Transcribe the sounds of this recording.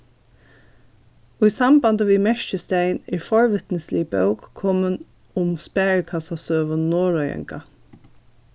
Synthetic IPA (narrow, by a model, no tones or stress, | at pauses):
ʊjsambant̪əʋimɛʃt͡ʃəst̪ejnɛɹfɔɹʋɪt̪nəslibœ̰wkkʰːɔmən | ʊmspæːɹkʰasasøːʋənːoːɹɔjɛ̰ŋka